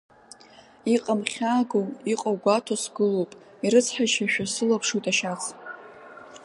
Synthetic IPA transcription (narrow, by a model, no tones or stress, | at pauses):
iqʼəmχʲaːɡowiqʼawɡʷatʰosɡɨlowpʼ | iɾɨt͡sʰħaʃaʃᶣasɨlapʰʂujtʼaʃaχ